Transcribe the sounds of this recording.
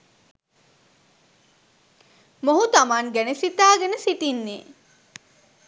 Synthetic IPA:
moɦut̪amaŋɡænesit̪aːɡenəsiʈinːeː

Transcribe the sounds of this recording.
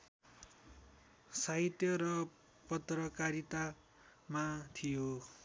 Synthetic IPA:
saɦit̪jʌɾʌ | pʌt̪rʌkaɾit̪a | mat̪ʰijo

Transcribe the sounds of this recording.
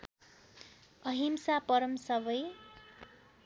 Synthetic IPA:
ʌɦimsapʌɾʌmsʌbʌj

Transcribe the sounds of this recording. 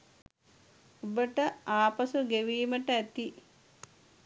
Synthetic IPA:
obəʈəaːpɐsuɡeʋiːməʈəæt̪i

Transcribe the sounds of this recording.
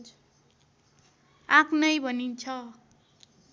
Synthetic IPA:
ãkʰnʌjbʱʌnint͡sʰʌ

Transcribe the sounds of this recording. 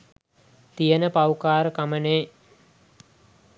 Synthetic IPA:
t̪ijənəpawkaːɾəkaməneː

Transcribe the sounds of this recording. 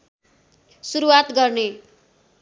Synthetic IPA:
suɾuwat̪ɡʌrne

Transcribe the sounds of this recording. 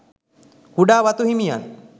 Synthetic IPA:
kuɖaːʋat̪uɦimija̰n

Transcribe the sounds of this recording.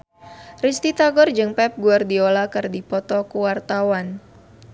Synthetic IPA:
rist̪it̪aɡɔrd͡ʒɨŋpɛp̚ɡuardiolakɨrdipɔt̪ɔkuwart̪awan

